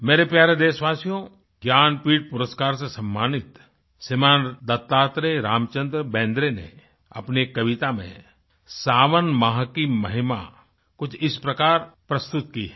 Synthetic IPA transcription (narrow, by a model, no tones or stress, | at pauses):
meːɾepjaːɾed̪eːʃʋaːsijõ | ɡjaːnpiːʈ̚pʊɾəskaːɾsesɐ̃mːaːnɪt̪ | sɪmãːnd̪ɐt̪ːaːt̪ɾeɾaːmt͡ʃə̃nd̪ɾəbɛ̃ːnd̪ɾenḛ | ɐ̰pnekɐʋɪt̪amḛ̃ | saːʋənmaːɦkimɐɦɪma̰ | kʊt͡ʃʰɪspɾɐkaːɾpɾɐst̪ʊt̪̚kiɦɛ